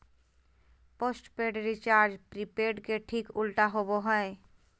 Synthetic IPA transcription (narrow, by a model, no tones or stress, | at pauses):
posʈpeɖɾit͡ʃaːɾd͡ʒpɾipeːɾɖkeʈʰikʊlʈaɦoboɦɛe